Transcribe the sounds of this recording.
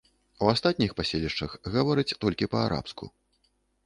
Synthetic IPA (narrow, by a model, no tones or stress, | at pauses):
uast̪at̪̚ʲnʲixpasʲelʲiʂt͡ʂɐxɣavɔɾɨt͡sʲt̪ɔlʲkʲipɐaɾa̰pskṵ